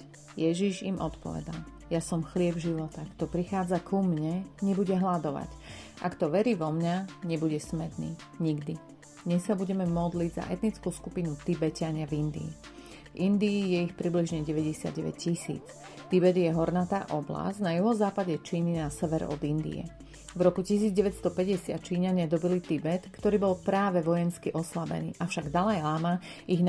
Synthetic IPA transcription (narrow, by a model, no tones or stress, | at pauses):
jɛʒiʒimʔɔt̪pɔ̰ʋɛ̰d̪a̰l | jasɔmxlɪɛbʒiʋɔt̪akt̪ɔpɾixaːd͡zakʰumɲɛɲɛbuɟɛɦlad̪ɔʋa̰ɟʔakt̪ɔʋɛɾiːʋɔmɲaɲɛbuɟɛsmɛt̪nḭː | ɲiɡd̪i | ɲɛsabuɟɛmɛmɔd̪liɟza̰ʔɛt̪nit͡skuːskupinut̪ibɛcɪaɲɪavind̪ḭː | vind̪iːjɛixpɾibliʒɲɛɟɛʋɛɟɛsɪa̰d̪̚ɟɛʋɛ̰ccisḭːt͡s | t̪ibɛd̪jɛɦɔɾnat̪aːʔɔbla̰znajuɦɔzaːpaɟɛt͡ʃiːninasɛʋɛɾɔ̰d̪ind̪ḭɛ̰ | vɾɔkucisiːd͡zɟɛʋɛt̪st̪ɔpɛɟɛsɪa̰t̪̚t͡ʃiːɲaɲɪad̪ɔbilit̪ibɛt̪kt̪ɔɾiːbɔlpɾaːʋɛʋɔjɛnskiʔɔslabɛ̰nḭːʔafʃaɡd̪alajlama | iɣn